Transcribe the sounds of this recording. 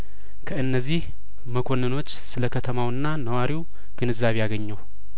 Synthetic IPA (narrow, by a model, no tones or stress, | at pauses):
kʰəʔɨnːəzːih | məkʰo̞nːəno̞t͡ʃːsɨləkʰət̪ʰəmawɨnːanəwaɾiw | ɡ̥ɨnɨzːaβejaɡəɲːəw